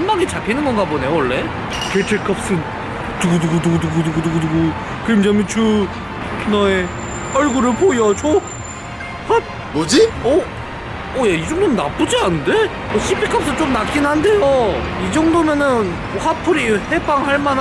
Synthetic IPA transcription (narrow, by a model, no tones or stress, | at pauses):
nmaɡit͡ɕakʰinɯnɡʌnɡabone̞jowʌɭːe̞ | ketʰek͈ap̚s͈ɯn | tuɡuduɡuduɡuduɡuduɡuduɡuduɡu | kemd͡ʑʌmit͡ɕɯ | nʌe | ʌɭɡuɾɯpojʌt͡ɕʰo | pap̚ | bod͡ʑiʌː | jaid͡ʑʌŋdonɯnːap͈ud͡ʑianɯnde̞ | ʌɕʰipʰik͈ap̚s͈ɯt͡ɕomnak͈inhandejoid͡ʑʌŋdomjʌnɯn | ɸapʰuɾihe̞baŋhaɭman